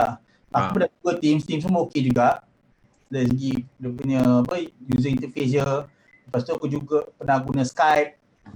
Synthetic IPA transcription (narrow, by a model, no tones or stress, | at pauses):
a | a̰kubədad͡ʒuɡat̪imst̪imsəməoked͡ʒuɡaʔ | das̬əɡidəpuɲəbəjjuzəint̪ufezə | əpast̪uakud͡ʒuɡapənaɡunaskajp̚